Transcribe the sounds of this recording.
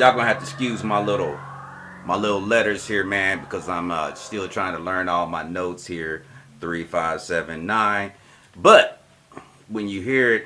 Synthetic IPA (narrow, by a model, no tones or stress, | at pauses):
aɪɡʌ̃nɨɦæftɨskjʉzmaɪlɪɾl̩ˠ | maɪlɪɾl̩ˠlɛɾə˞z̥hiɹmæ̃nbɨkʰʌzãɪ̃mʌstɪlˠtʰɹ̥aɪɪ̃ŋtʰəlɜ̃˞nɔlˠʌvmaɪnoʊtshiɹθɹifaɪv̥sɛvɨ̃nːãɪ̃n | b̥ʌt̚ | wəɨ̃njɨɦiɹɪt̚